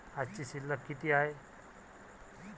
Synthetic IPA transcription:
ad͡zt͡ɕiɕilːəkːit̪iːae

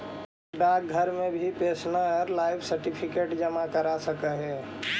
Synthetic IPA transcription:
ɖaːk̚ɡʱəɾmẽbʱipeːsnəɾlaːɪbsəɾʈipʰɪkeːʈd͡ʒəmakəɾasəkəɦɛː

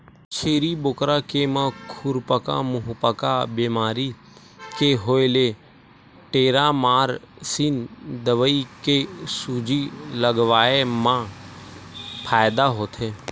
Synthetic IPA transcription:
t͡ʃʰeːɾibʊkɾakemãkʰʊɾpəka̰mʊɦʊpəkabeːmaːɾi | keɦoːele | ʈeːɾamaːɾsind̪əʋəikesuːd͡ʒiləɡʋaːemã | pʰaːjd̪aɦoːt̪ʰeː

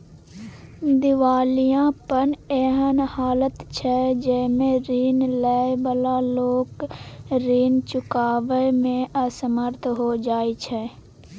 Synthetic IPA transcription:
d̪ɪʋaːlijãpənɛːɦənhaːlət̪t͡ʃʰɛd͡ʒɛːmẽɾiːnlɛːjbəlaloːkɾiːnt͡ʃʊkaːʋəmẽəsəməɾt̪ʰɦod͡ʒaːet͡ʃʰɛː

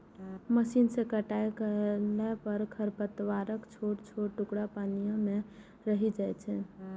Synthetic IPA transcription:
məsinsẽkəʈajkəlɛpəɾkʰəɾpət̪ʋaɾəkt͡ʃʰoɽt͡ʃʰoɽʈukɽapanijəme | ɾəɦid͡ʒajt͡ʃʰɛ

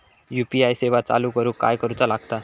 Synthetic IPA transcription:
jupiajseʋat͡sa̰luːkəɾuːka̰jkəɾut͡salaɡt̪a

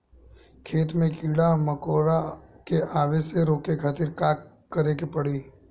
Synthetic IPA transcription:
kʰeːt̪mẽkiːɽaməkoːɾakeʔaːʋeseɾoːkekʰaːt̪iɾkaːk | kːəɾekepəɽiː

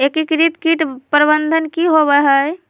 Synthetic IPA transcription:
ekikɾit̪kiʈpɾəbənd̪ʱənkiɦoβəɦə

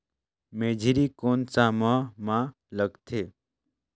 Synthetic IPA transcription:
meːd͡ʒʱiɾiːkoːnt͡saːmãmã | ləɡt̪ʰeː

